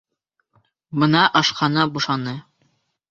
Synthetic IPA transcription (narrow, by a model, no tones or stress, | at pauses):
bɤ̆nɑʔɑʃqɑnɑbuʃɑnɤ